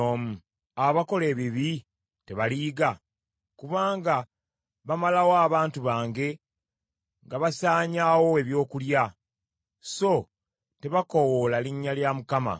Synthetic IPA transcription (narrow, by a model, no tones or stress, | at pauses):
oːmu | aβako̞le̞ːβiβi | te̞βaliːɡa | kuβaːŋɡa | βamalawoaβaːntuβaːŋɡe̞ | ŋɡaβasaːɲaːwo̞e̞βjo̞ːkulja | so̞ | te̞βakowolaliɲːaljamukama̰